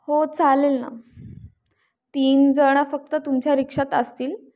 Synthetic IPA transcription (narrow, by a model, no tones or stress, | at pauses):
hot͡salelna̰ | t̪iːnd͡zəɽ̃afək̚t̪ət̪umt͡ɕjaɾikʂat̪əst̪iːl